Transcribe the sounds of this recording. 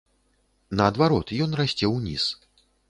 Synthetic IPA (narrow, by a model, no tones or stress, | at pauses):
nɐːd̪vaɾɔt̪jɔnrasʲt͡sʲɛwnʲḭs